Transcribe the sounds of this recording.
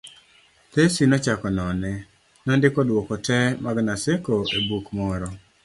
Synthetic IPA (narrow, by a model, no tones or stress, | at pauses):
t̪esinɔt͡ʃakɔnɔnɛ | nɔndɪkɔdwɔkɔtɛmaɡnasekoebukmɔɾɔ